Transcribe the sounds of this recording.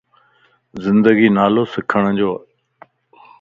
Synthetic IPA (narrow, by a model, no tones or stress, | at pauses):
zɪ̃nd̪əɡiːnaːloːsɪkʰəɽ̃d͡ʑoː